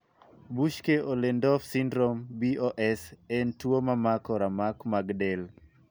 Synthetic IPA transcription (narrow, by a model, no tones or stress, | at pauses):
buʃkeʔolendɔfsindɾombioʔɛsɛntwomamakɔɾamakmaɡdɛl